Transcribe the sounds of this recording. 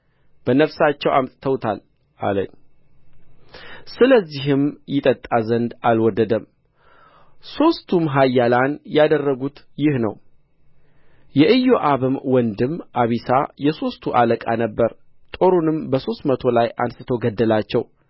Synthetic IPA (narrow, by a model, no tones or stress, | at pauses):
b̥ənəfsat͡ʃːɛwʔamt̪ʼt̪ʰəwt̪ʰal | ʔa̰lə̰n | sɨləzːiɦɨmjɪt̪ʼət̪ʼːazənd̪alwɔd̪ːəd̪əm | so̞st̪ʰumɦajːalanjad̪ərːəɡut̪ | jɪhnə̰w | jɛʔɨjːoʔaβɨmwɔnd̪ɨmʔaβisajɛso̞st̪ʰuʔaləkʼa̰nəbːəɾ | t̪ʼo̞ɾunɨmbəso̞st̪mət̪ʰo̞lajʔa̰nsɨt̪ʰo̞ɡəd̪ːəlat͡ʃːɛw